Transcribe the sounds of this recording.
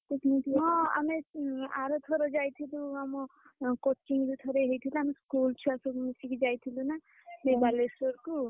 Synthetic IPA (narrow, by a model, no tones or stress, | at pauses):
t̪ukit̪ɔa̰meaɾot̪ʰoɾɔd͡ʒajt̪ʰiluamɔkot͡ʃiŋdut̪ʰoɾeɦejt̪ʰiluameskult͡ʃʰuasɔisikid͡ʒajt̪ʰiluna | bebalesoɾku